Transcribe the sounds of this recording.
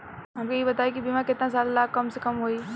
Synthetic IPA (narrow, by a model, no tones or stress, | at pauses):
ɦɐmkeibɐt̪aːikibiːmãkɪt̪nas̬aːllaːkkːɐmsekɐmɦoːi